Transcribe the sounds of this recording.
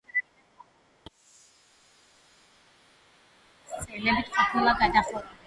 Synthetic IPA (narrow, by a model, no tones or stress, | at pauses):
st̪sʼɛlɛbit̪ʰkʰʼapʰulˠaɡad̪aχɔ